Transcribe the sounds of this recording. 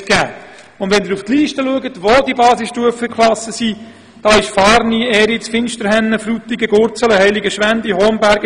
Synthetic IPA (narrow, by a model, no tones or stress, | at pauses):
ɡ̥æː | ʊndʋɛndɪːɾuftliːʃtəluəɡətʋoːdiəbɑːsɪsʃtuəfəkχlɑsəsiː | d̥ɑːɪʃfɑːɾniɛːɾit͡sfɪnʃtəɾhɛnːəfɾut̪ːiɡəɡʊɾt͡sələhɛɪliɡəʃʋændihɔːmbæɾɡ